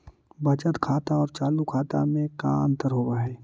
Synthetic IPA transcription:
bɐt͡ʃət̪kʰaːt̪aɔːɾt͡ʃaːlukʰaːt̪a̰mẽka̰ə̰̃nt̪əɾɦoːwaɦɛː

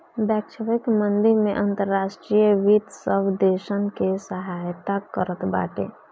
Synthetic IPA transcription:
bɛːkʃəʋɪkmənd̪iɾmẽʔənt̪əɾːaːʃʈɾijəʋit̪səbd̪eːʃənkesəɦajt̪akəɾət̪ba̰ːʈḛː

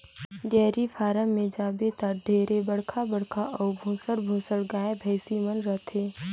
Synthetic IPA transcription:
ɡɛːɾifʰaːɾəmːẽd͡ʒaːbet̪aɾɖʱeːɾebəɽ̤kʰabəɽkʰaʔɔːɾbʱoːsəɽbʱoːsəɽɡaːebʱɐɪsimənɾət̪ʰeː

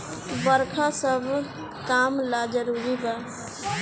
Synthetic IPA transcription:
bəɾkʰasəbʱ | kamlad͡ʒəɾuɾiɡa

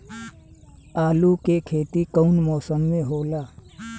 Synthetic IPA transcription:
aːlukekʰeːt̪ikəʊnmɔːsəmːẽɦoːlaː

